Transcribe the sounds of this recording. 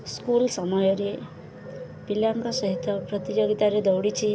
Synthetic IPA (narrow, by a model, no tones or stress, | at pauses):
skulsɔmɔjɔɾe | pilaŋkɔsɔɦit̪ːɔpɾɔt̪id͡ʒoɡit̪aɾed̪ɔwɽit͡ʃʰi